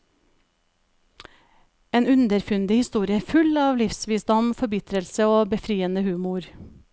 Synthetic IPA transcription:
eːnʉnd̪əɾfʉnd̪əhɪst̪uːɾɪəfʉlɑːʋlɪfsʋiːsd̪ɔmfɔɾbɪt̪ɾəlsəoːbəfɾiːənəhʉːmʊɾ

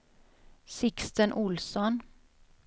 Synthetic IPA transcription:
sɪkst̪ənʔʊlsɔn

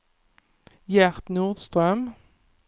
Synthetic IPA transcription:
jæʁt̪nuːʁd̪st̪ʁœm

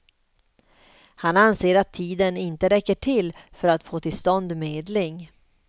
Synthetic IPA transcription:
hananseːɾat̪ʰːiːd̪ənɪnt̪əɾɛkːəʈʰɪlfœɾat̪foːt̪ʰɪlst̪ɔnd̪meːd̪lɪŋ

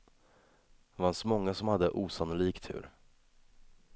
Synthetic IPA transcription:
vansmɔŋːasɔmhad̪ːəʔuːsanʊliːkt̪ʰʉ̟̰ːɾ

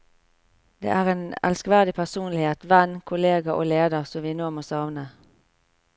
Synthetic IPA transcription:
d̪ḛːʔæːʁeːnɛ̰lskʋæʁd̪ɪpʰæʁsuːnlɪheːt̪ʋɛnkʰʊleːɡɑʔo̰ːleːd̪əʁsɔmʋiːnoːmosɑʋnə

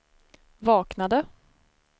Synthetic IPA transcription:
vɑːknad̪ə

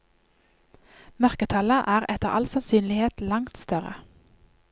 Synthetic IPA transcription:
mœʁkət̪ʰɑləʔæːʁɛt̪əʁɑ̰lsɑnsyːnlɪheːt̪lɑŋt̪st̪œʁə̰

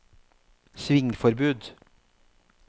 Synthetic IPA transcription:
sʋɪŋfɔɾbʉːd̪

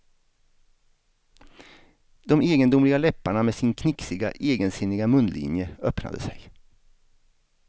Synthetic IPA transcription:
d̪ɔmeːɡənd̪ʊmlɪɡalɛpːaɳameːsɪnkʰnɪksɪɡa̰ʔeːɡənsɪnːɪɡamɵnlḭːnjəœpna̰d̪əsɛj

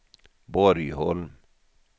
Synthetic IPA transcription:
boɾiɦol

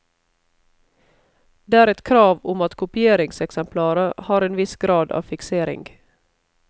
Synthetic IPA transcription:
d̪̥eːæːɾɛt̪kʰɾɑːʋʊmɑt̪kʰʊpɪeːɾɪŋsɛksɛmpʰlɑːɾəhɑːɾeːnʋɪsɡɾɑːd̪ɑ̰ːʋfɪkseːɾɪ̰ŋɡ

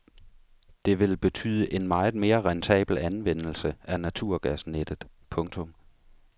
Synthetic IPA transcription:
d̥e̝ʋe̝lb̥e̝t͡sʰy̰ːð̞ˠəʔe̝nmɑ̈ːð̩ˠme̝ːɐʁɑnt͡sʰɛ̰ːb̥l̩ænʋen̰l̩səænæt͡sʰuɐ̰ɡ̥æsned̥ð̩ˠpʰɔ̽ŋt͡sʰɔ̽m

